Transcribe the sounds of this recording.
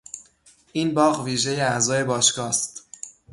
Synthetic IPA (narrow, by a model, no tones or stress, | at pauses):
ʔiːnbɒːɣviːʒe̞jeæzɒːje̞bɒːʃkɒːst̪